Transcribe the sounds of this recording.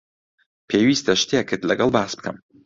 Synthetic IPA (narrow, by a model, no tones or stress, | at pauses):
pʰeːwist̪ʰɐʃt̪jekɨt̪lɐɡɐlˠbaːsbɨ̥kʰɐ̰m